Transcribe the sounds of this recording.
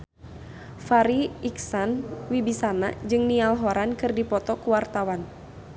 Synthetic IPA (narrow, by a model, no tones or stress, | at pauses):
faɾiiksanwibisana̰d͡ʒɨŋnialɦɔɾankɨrdipɔt̪ɔkuwart̪awan